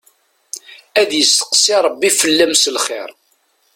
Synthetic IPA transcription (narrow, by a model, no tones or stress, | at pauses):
æðjəst̪ə̥qsiɾˤəbːifəlːæmsəlχɪ̰ɾ